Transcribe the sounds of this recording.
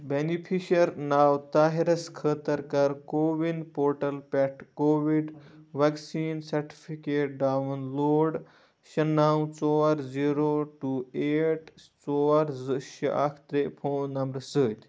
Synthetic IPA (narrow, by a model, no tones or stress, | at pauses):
benipʰiɕɐɾnaːwt̪aːɦeɾɐskʰəːt̪əɾkɐaɾkoːʋinpoːɾʈɐlpɛʈkoːʋiɖʋaksiːnsɐɾʈi̥fʰikeːʈ̚ɖaːʋɐnloːɽ | ɕɐnːaw̃t͡sɔɾd͡ziːɾoʈuːeːʈt͡sɔaɾzəɕə̰ʔakʰt̪ɾepʰoːnnɐmɾɐsəːt̪ʲ